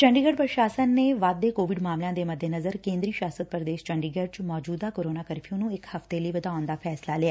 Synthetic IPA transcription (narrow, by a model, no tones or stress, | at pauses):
t͡ʃəɳɖiːɡəɖpɾʃaːsənːeːʋad̪̚ːeːkoːʋɪɖmaːmljãːd̪eːməd̪ʱːeːnəzəɾkẽːnd̪ɾiːʃaːsət̪̚pɾəd̪eːʃt͡ʃəɳɖiːɡəɖ̚t͡ʃmɔːd͡ʒuːd̪aːkoːɾoːnaːkəɾpʰiõːnũːɪkhəft̪eːləiːʋəd̪aːnd̪aːpʰɛːslaːlɪaː